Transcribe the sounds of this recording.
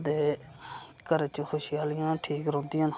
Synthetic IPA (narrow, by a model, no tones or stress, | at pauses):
d̪eː | kəɾet͡ʃəxʰʊʃɪjaːlɪjãːʈʰiːkɾõːnd̪ɪjãːn